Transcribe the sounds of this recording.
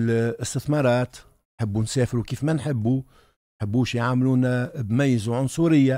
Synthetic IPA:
lɪst̪ɪθmɑɾˤɑːt̪ | nħəbːunsɛːfɾukiːfmænħɪbːu | nħəbːuːʃjʕaːmluːnæbmæjːzaʕʊnsˤuɾɪjːa

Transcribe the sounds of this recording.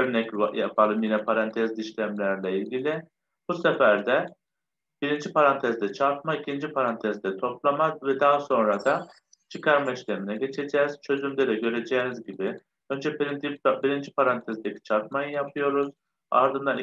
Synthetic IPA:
øɾnɛcajafalˠɯmjinɛpʰaɾant̪ʰɛzd̪iʃlʲæmlʲæɾlʲɛilʲɟʲilʲi | b̥usefæɾd̪ɛ | b̥iɾind͡ʒipʰaɾant̪ʰɛzd̪ɛt͡ʃʰaɾt̪̚maicʰind͡ʒipʰaɾant̪ʰɛzd̪ɛt̪ʰo̞plˠamazvɛd̪aɦaso̞nɾad̪a | t͡ʃʰɯkʰaɾmaiʃlʲeminɛɟe̞t͡ʃʰe̞d͡ʒɛːz̥t͡ʃʰø̞zymd̪eɾɛɟø̞ɾe̞d͡ʒɛːnizɟibi | ønd͡ʒɛpɾint̪ʰibiɾind͡ʒipʰaɾant̪ʰɛzd̪ecʰi̥t͡ʃʰaɾt̪̚majɯjapʰɯjo̞ɾuz̥ | a̰ɾd̪ɯnd̪an

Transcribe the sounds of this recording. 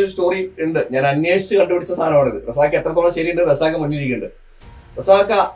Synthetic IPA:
oɾusto̞ːriuɳɖɨɲaːnɐnjeːʂi̥t͡ɕːɨkɐɳɖɨpiɽit͡ɕːɐst̪ʰaːnɐmaːɳɐðɨ̰res̬aːkːɐet̪rɐt̪ːoɭɐɕɐɾiuɳɖɨresaːkːɐmɐɲːiɾikʲːuɳɖɨ | resaːkːɐ

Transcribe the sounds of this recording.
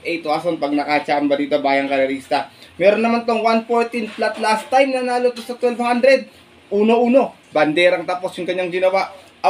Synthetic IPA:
ʔɛjt̪oʔason̚pɐɡ̚nɐkat͡ʃambɐd̪iːt̪obaːjɐŋkɐɾɐɾiːst̪ɐmɛːɾonːɐmant̪oŋwanfoɹt̪ɪnplat̪last̪ːajmnɐnaːlot̪osɐt̪wɛlvhand̪ɾɛd̪̚ | ʔuːnoʔuːno̞bɐnd̪ɛːɾɐŋt̪aːpo̞sjʊŋkɐɲːaŋɡɪnɐwaʔ

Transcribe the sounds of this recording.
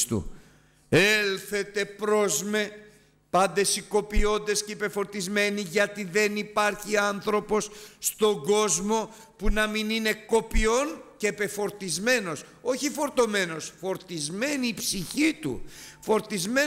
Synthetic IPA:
st̪ṵ | elθe̞t̪e̞pɾo̞zme̞ | pɐnd̪e̞siko̞pio̞nd̪e̞scepe̞fo̞ɾt̪izme̞niʝɐt̪iðe̞nipɐɾçiɐnθɾo̞po̞sːt̪o̞ɡo̞zmo̞ | punɐminine̞ko̞pio̞nce̞pe̞fo̞ɾt̪izme̞no̞s | o̞çifo̞ɾt̪o̞me̞no̞sfo̞ɾt̪izme̞niːpsiçit̪ṵfo̞ɾt̪izme

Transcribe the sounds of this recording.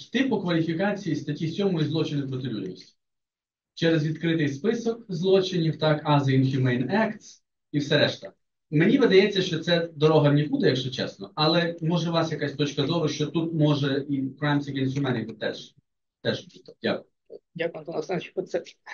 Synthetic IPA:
t̪ɪpʊkʋɐlʲifʲikɑt͡sʲijist̪ɐtʲisʲɔmʊizlˠɔt͡ʃɪnɪpɾɔt̪ɪlʲud̪ʲḭsʲtʲi̥ | t͡ʃɛɾezʋʲid̪kɾɪt̪ɪjspɪsɔk̚zlˠɔt͡ʃɪnʲiwt̪ɑkɑzɪinxʲjʊmɛjnɛkt̪s | iwsɛɾɛʃt̪ɐ̰ | menʲiʋɪd̪ɐjɛt͡sʲːɐʃt͡ʃɔt̪sɛd̪ɔɾɔɦɐmnʲibud̪ɛjɐkʒɛt͡ʃɛ̰snɔɐlˠɛmɔʒɛʋɑsjɐkɑsʲt̪ɔt͡ʃkɐzɔʋɐʃt͡ʃɔt̪ut̪̚mɔʒɛikɾajmsɐɡʲɛnst̪ʲjʊmɛnɪt̪t̪ːɛ̰ʃ | t̪ɛʒd̥ʲa̰kʊj | dʲakʊjɐmt̪ɔnɐsɛnt͡ʃɔsɛ

